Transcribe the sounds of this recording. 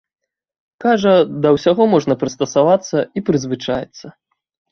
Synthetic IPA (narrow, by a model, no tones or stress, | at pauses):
kaʐɐd̪ɐwsʲaɣɔmɔʐnɐpɾɨst̪ɐsavat̪sːɐipɾɨzvɨt͡ʂajɛ̰t̪sːɐ